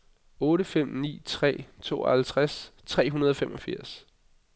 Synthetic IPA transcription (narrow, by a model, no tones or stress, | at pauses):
ɔ̽ːɾəfem̰nḭːt͡sʰʁɛ̰ːt͡sʰo̝̰ːɒhælt͡sʰʁast͡sʰʁɛ̰ːɦunɐð̞ˠɒfemʔɒ̽fiɐ̰s